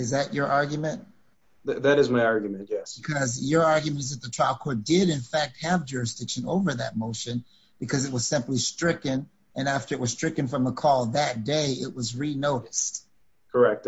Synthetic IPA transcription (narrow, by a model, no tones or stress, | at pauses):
ɨzðɨt͡ʃə˞ʔɑɹɡjmɨ̃nt̚ | ððɨɾɨzmaɪɑɹɡjmɨ̃ntjæb̥ɨkʰʌzjə˞ɑɹɡjɨmɨ̃ntɨzðɨt̪̚ðətʰɹ̥aɪlˠkʰɔɹt̚d̥ɪɾɨ̃nfæk̚t̚hɨvd͡ʒʊɹɨsd̥ɪkʃɨ̃noʊvə˞ðɨ̰t̚moʊʃɨ̃n | b̥ɨkʰʌzɨt̚wʌz̥sɪ̃mplistɹ̥ɪkɨ̃n | ɨ̃næftə˞ɨt̚wʌz̥stɹ̥ɪkɨ̃nfɹʌ̃məkʰɔlˠðɨt̚d̥eɪɪʔ̚wʌzɹinoʊɾɨst̚ | kʰə˞ɛk̚t